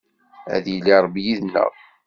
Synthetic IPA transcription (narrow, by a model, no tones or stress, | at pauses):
æ̰ðjilːiɾˤəbijiðnːə̰ʁ